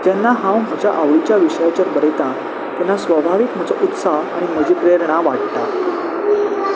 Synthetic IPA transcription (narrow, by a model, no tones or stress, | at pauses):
d͡ʑanːaɦãwm̤əd͡ʑʱa̰ʔaʋɭit͡ɕjaʋiʂəjat͡ɕəɾbəɾet̪a | t̪janːasʋəbʱaʋikm̤əd͡zɔʔut̪saɦaɽ̃im̤əd͡ʑʱipɾeɾɳ̃aʋaʈ̚t̪a